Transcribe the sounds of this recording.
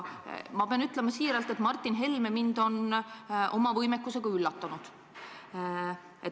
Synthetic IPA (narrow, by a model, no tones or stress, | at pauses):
mɑb̥eɑnyt̪le̞mɑsiːɾɑlt̪ːˑe̞t̪mɑrt̪ˑːinɦe̞lme̞mind̪̥o̞nʔo̞mɑvɤjmekːuse̞ɡ̥ɑylːɑt̪ːɑnud̪̥ | et